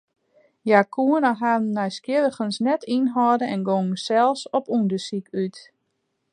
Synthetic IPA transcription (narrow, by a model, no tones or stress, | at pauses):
jakʰuənaɦaːɛjskjɪɾəχənsnɛtʰinɦɔdəɛnɡoŋn̩sɛlˠsɔpundəsikyt